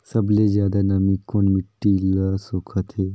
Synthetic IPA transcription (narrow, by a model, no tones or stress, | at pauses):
sɐblezjaːd̪anɐmĩkoːnmɪʈːilasoːkʰət̪ʰɦeː